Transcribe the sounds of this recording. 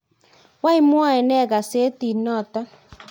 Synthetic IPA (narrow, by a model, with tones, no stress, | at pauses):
wa˦i˦mwa˦ɛ˨nɛ˦˨ɡa˨se˨˦ti˨nɔ˦˨tɔ˦